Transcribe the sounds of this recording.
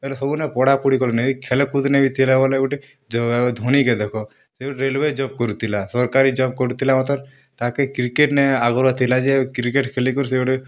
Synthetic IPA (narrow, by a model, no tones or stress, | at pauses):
elɔsɔbunepɔɽapuɽikɔlɔneikʰelkud̪nebʱit̪ʰilebɔleɡuʈe | d͡ʒɔd̪ʱɔñiked̪ekʰɔ | seuʈɾelʋed͡ʒɔp̚kɔɾut̪ʰilasɔɾkaɾid͡ʒɔp̚kɔɾut̪ʰilamɔt̪ɔɾ | t̪akekɾikeʈneaɡɔɾat̪ʰilad͡ʒiekɾikeʈkʰelikɔɾs̬euɖe